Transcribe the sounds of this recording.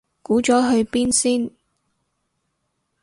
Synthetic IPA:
kuː˨˥t͡ʃɔː˨˥ɦɵ˧ɥpiː˥nsiː˥n

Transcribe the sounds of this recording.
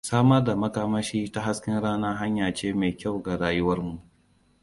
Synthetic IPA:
saː˦mɐ˦rda˨mɐ˦kaː˦mɐ˦ʃiː˦ta˦ɦa˦skʲɪ˦nɽaː˦naː˦ɦa˦ɲjaː˨t͡ʃeː˦me˨jkʲa˦˨wɡa˨ɽaː˦jʊ˦wɐ˦rmu˨ʔ

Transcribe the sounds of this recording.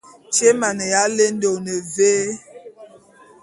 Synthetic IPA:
t͡ʃe˦ma˨ne˨ja˨˦le˦n˦do˨ne˨veː˦

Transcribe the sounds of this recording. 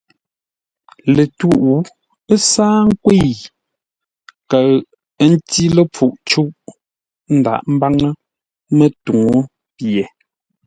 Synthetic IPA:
le˨tu˦ʔu˨˦ | ə˦saː˦ŋ̩˦kwe˦˨ | kə˨ɣ | n̩˦ti˦lə˦p͡fu˨ʔt͡ʃu˦ʔ | n̩˦da̰˨ʔm̩˦ba˦ŋə˦ | mə˦tu˨ŋo˦ | pje˨

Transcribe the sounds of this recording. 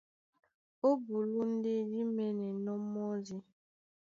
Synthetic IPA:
o˦bu˨lu˦n̩˦de˦di˦me˦ne˨nɔ˦mːɔ˦zi˦

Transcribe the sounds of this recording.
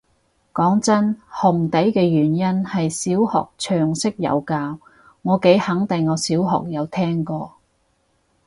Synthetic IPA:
kɔː˨˥ŋt͡sɐ˥nhʊ˨˩ŋt̪ɐ˨˥jkɛː˧jyː˨˩njɐ˥nhɐ˨jsiː˨˥whɔ̰ː˨k̚t͡ʃʰœː˨˩ŋsɪ˥k̚jɐ̰˨˧wkaː˧w | ŋɔː˨˧ke˨˥jhɐ˨˥ŋt̪ɪ˨ŋːɔː˨˧siː˨˥wɦɔ̰˨k̚jɐ˨˧wt̪ʰɛː˥ŋkɔː˧

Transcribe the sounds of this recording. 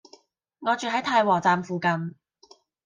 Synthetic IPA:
ŋɔː˨˧t͡ʃyː˨˩hɦɐ˨˥jt̪ʰaː˧jwɔː˨˩t͡saː˨mfuː˨˧kɐ˧n

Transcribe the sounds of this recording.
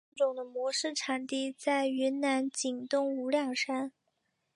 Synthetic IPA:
ʈ͡ʂʊ˨˩ŋd̪ə˦mwɔ˧˥ʂɻ̩˥˩ʈ͡ʂʰa˨˩nt̪i˥˩t͡sa˥˩ɪy˧˥nna˧˥nt͡ɕi˨˩ŋt̪ʊ˥˩ŋu˧˥ljɑ˥˩ŋʂa˥n

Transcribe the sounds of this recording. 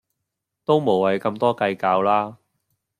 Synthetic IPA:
t̪o˥wmo˨˩wɐ˨˥jkɐ˧mt̪ɔː˥kɐ˧jkaː˧wlaː˥

